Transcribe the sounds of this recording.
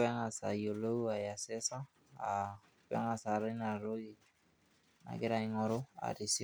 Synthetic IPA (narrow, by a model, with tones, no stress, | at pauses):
ɛ˦ŋa˨sa˨jo˨lo˦u˦a˨ja˨sɛ˦sa˦ | a˨ | pɛ̰˦ŋa˨sa˨ɾa˦na˨ɾo˦ɡi˦ | na̰˨ɡɪ˦ɾa˨i˦ŋɔ˨ɾo˦a̰˨ɾi˨si˦